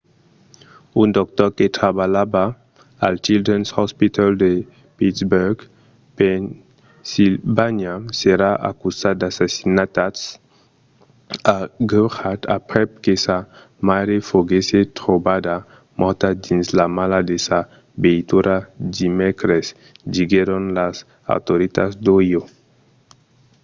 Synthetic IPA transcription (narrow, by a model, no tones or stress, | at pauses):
und̪ɔk̚t̪ɔɾket̪ɾaβalaba | alt͡ʃild̪ɾɛnshɔspit̪ald̪e | pit̪sbuɾɡ | pɛn | silbaɲaseɾaʔa̰kusad̪asasinat̪ats | aɡuxat̪a̰pɾɛkesa | maɾefoɡeset̪ɾobad̪a | mɔɾt̪ad̪inzlamalad̪esa | beit̪uɾad̪imɛkɾez | d̪iɡeɾonlaz | a̰wt̪oɾit̪azd̪ojo